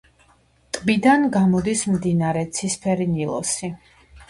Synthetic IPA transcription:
t̪ʼbid̪anɡamɔd̪ismd̪inaɾɛt̪sʰispʰɛɾinilˠɔ̰si

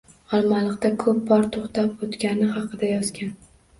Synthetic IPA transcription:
ɒlˠmalˠɨqt̪akʰɵp̚bɒɾt̪ʰoχt̪ʰapot̪kʲanɪhɑqʰɨd̪ajɒzɡʲan

